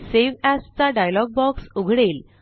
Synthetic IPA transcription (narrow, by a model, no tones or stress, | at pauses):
seʋæst͡saɖajlɔɡ̚bɔksuɡʱɽel